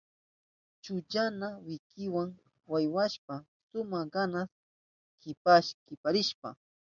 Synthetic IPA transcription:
t͡ʃʊt͡ʃanawɪkɪwaŋ | wajwaʃpa | sʊmaɢanas | kɪpaʃkɪpaɾɪʃpa̰

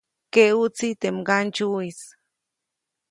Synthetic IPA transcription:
keut͡sit̪emɡant͡ʃuis

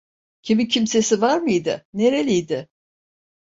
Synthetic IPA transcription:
cʰimicʰimse̞sivaɾmɯjd̪ɪ̰neɾelʲijd̪ɪ

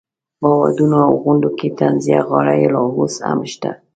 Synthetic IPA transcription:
bɑwad̪unoawɣʊɳɖoket̪anzijaɣɑɽajelɑɦosa̰mʃt̪a

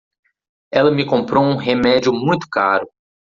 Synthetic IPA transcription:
ɛlɐmɪkõpɾowũɦemɛd͡ʒʊmũj̃t̪ʊ̥kaɾʊ

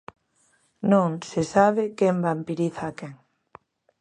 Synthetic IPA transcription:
nõŋsesaβ̞ɪkɛmbampiɾiθaːkeŋ

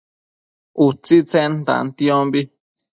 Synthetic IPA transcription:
ut͡sit͡sẽnt̪ã̰nt̪ĩõmbi

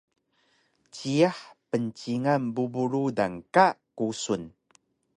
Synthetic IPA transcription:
t͡ɕiaħpənt͡ɕiŋambubuɾuda̰ŋkaʔkusun

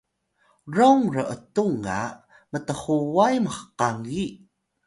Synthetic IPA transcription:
rowŋrəʔətuŋa̰ | mətəχuwajməχəqaŋi

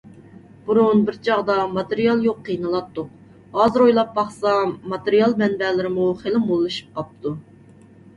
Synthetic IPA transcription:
b̥uɾunbɪɾt͡ʃʰɑʁd̪ɑmɑt̪eɾijɑlˠjoqʰːijnɨlˠɑt̪ːu | ɑzɨɾojlˠɑp̚bɑχsɑmɑt̪eɾijɑlˠmɛnbɛːlɪɾɪmuχelˠɪmolˠːɨʃi̥p̚qɑp̚t̪ʰu

